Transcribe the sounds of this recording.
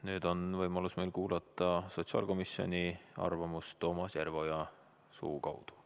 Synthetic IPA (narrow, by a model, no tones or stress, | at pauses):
nyːd̪̥o̞nvɤjmɑlusmejlkuːlɑt̪ːˑɑso̞t̪sɑ̰ːlko̞misjo̞̰nʲiɑ̰rvɑmust̪ːo̞ːmɑsjærvo̞jɑ | sṵːkɑwd̪̥u̥